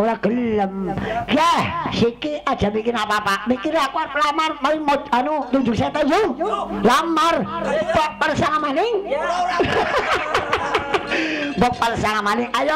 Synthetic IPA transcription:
olaɡ̥əlːəmjɛhsikiad̥ʒ̥amikɪɾapapamikiɾakuaɾpəlamarmaiŋmot̪̚anut̪ud͡ʒʊk̚set̪ajuŋlamarbɔʔ̚pərsaŋamanɪŋ | bɔk̚pərsaŋamanɪŋʔajɔ

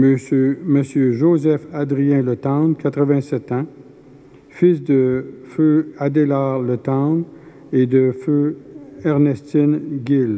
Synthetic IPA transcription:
mməsjøʒozɛfad̪ʁijɛ̃lət̪ɑ̃nkat̪χəvɛ̃sɛt̪ɑ̃ | fisd̪əføad̪elaʁlət̪ɑ̃n | ed̪əføɛʁnɛst̪inɡʲil

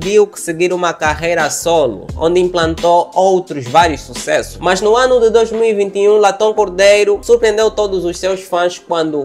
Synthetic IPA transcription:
viwkɪ̥sɪɡiɾũmɐkaʁejɾɐsolṵõ̰nd̪ɪĩmplɐ̃nt̪oowt̪ɾʊzvaɾjʊssusɛsʊ̥smaznʊãnʊd̪ɪd̪ojzmiwivĩnt̪iũlat̪õkoɾd̪ejɾʊsuɾpɾẽnd̪ewt̪od̪ʊzʊssewʃfɐ̃skwɐ̃nd̪ʊ

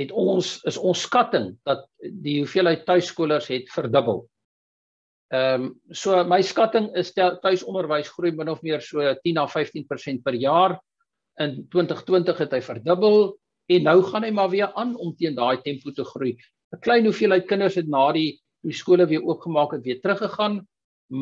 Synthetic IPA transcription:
ɦɛtɔnsəsɔnskɐtəŋd̥ɐt̚diɦufiəlɦəjtːœɥskuələrsɦɛtfərdəbə̰lˠ | əmsuəməjskɐtəŋəstɛtœɥsɔnərvəjsχrujmənɔfmiərsuətinɐfɛjftinpərsɛnt̚pərjɑːr | əntwəntəχtwəntəχɦɛtɦəjfərdəbəlˠ | ɛnːœwχɐnɦəjmɑviəʔɑnɔmtiəndɑːjtɛmputəχruj | əklɛjnɦufiəlɦəɥt̚kənərsɦɛtnɑːdi | iskuələviəuəpχəmɑːkɦɛtviətrəχəχɐn | m

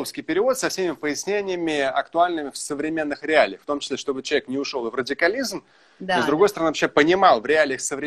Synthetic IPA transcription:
ofskʲɪjpʲɪɾʲɪvo̞t̪sɐfsʲemʲɪpəjɪsʲnʲenʲɪjəmʲɪɐkt̪ʊalʲnɨmʲɪfsəvɾʲɪmʲe̞nːɨxɾʲɪalʲɪjft̪o̞mt͡ɕɪ̥sʲlʲeʂt̪o̞bɨt͡ɕɪlˠɐvʲeknʲɪʊʂo̞lˠvrədʲɪkɐlʲizm | nozd̪ɾʊɡo̞jsəɾɐnɨvɐɕepənʲɪmɑlˠvɾʲɪalʲɪjəxsəvɾʲɪ

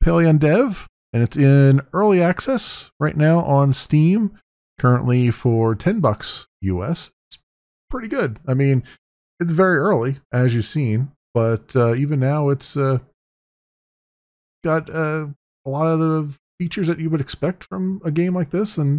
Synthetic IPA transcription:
pʰeɪlˠiɨ̃ndɛv | ɨ̃nɨtsɪ̃nɜ˞lˠiæksɛsɹaɪtⁿnaʊʔə̃nstĩm | kʰɜ˞ɨ̃nʔlifə˞tʰɛ̃nbʌksjʉ̰ɛ̰sɪts | pʰɹ̥ɪɾiɡʊd̚aɪmĩn | ɨts̬vɛɹiɜ˞lˠiʔɨzjɨ̥sĩn | b̥ʌtʌivɨ̃nːaʊɨtsʌ | ɡ̥ɑɾʌ | əlɔɾðʌʌv̥ | fit͡ʃə˞zðɨt͡ʃɨwəɾɨkspɛk̚tfɹʌ̃mɨɡẽɪ̃mlaɪk̚ðɪsə̃n

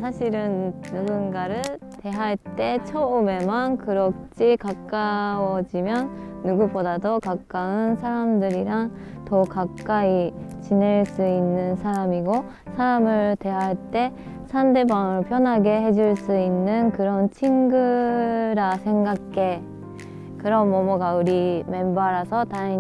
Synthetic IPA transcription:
sʰaɕʰiɾɯnːuɡɯnɡaɾɯɭ | te̞ɦaɭt͈e̞t͡ɕʰʌume̞mankɯɾʌk̚t͡ɕ͈ʰikak͈awʌd͡ʑimjʌnː | uɡubodadokak͈aɯnsʰaɾamdɯɾiɾaŋ | tʌkak͈ait͡ɕine̞ɭs͈uinːɯnsʰaɾamiɡo | sʰaɾamɯɭte̞ɦaɭt͈e̞ | sʰande̞baŋɯɭpʰjʌnɦaɡe̞he̞d͡ʑuɭs͈uinːɯnkɯɾʌnt͡ɕʰiŋɡɯɾasʰe̞ŋɡakʰːe̞ | kɯɾʌmːomoɡaɯɾime̞mbaɾasʰʌtai

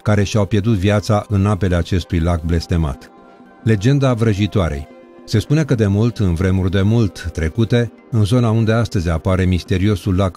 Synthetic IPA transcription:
kaɾe̞ʃiawpje̞rd̪ut̪vijat̪saʔɨnape̞le̞at͡ʃe̞st̪ujlak̚ble̞st̪e̞ma̰t̪ | le̞d͡ʒe̞nd̪avɾəʒit̪oaɾe̞̰j | se̞spune̞kəd̪e̞mult̪ɨnvɾe̞murʲd̪e̞mult̪ːɾe̞kut̪e̞ | ɨnzo̞naund̪e̞ast̪əzʲapaɾe̞mist̪e̞ɾio̞sulak

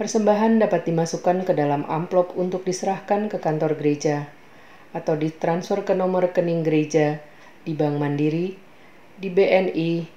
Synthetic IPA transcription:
pərsəmbaɦandapat̪̚dimasukankədalamʔa̰mplɔpunt̪ʊk̚disəɾahkankəkant̪ɔrɡəɾed͡ʒaː | t̪awdit̪ɾansfərkənɔmərkəniŋɡəɾed͡ʒa | dibaŋmandiɾi | dibeʔɛni

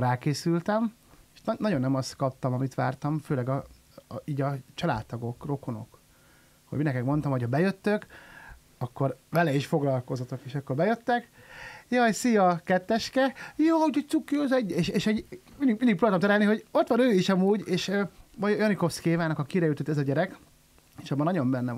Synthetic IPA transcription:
raːkeːsylt̪ɛm | eʃnnɒɟo̞nːɛmɒst̪kɒp̚t̪ɒmɒmit̪ʋa̰ːrt̪ɒmføːlɛɡɒ | iːɟɒt͡ʃɒla̰ːt̪ːɒɡo̞kro̞ko̞no̞̰k | ho̰ɟminɛkɛkmo̞nt̪ɒmho̞chɒbɛjøt̪ːøk | ɒkːo̞rvɛlɛiʃfo̞ɡlɒlko̞zot̪o̞keːʃɒkːo̞rbɛjøt̪ːɛkjɒjsijɒkɛt̪ːɛʃkɛjoːuɟɛt̪sukːiozɛɟːeːʃeːʃɛɟmind̪iɡmind̪ikproːbaːt̪omt̪ɛɾɛlniɦo̞ɟo̞t̪ʋɒnøːiʃɒmuːɟeːʃmɒjojɒniko̞fskeːvaːnɒkɒkiɾɛjut̪ot̪ːɛzɒɟɛɾɛk | eːʃɒbːɒnɒɟo̞mbɛnːɛ

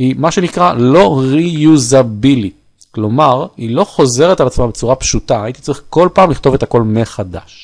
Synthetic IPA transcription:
himaʃe̞nikʁalo̞ʁijuzabili | klo̞maʁilo̞χo̞ze̞ʁe̞t̪alat͡smabet͡suʁapʃut̪aait̪i̥t͡saʁiχko̞lpaːmliχt̪o̞ve̞t̪ako̞lmeχad̪a̰ʃ

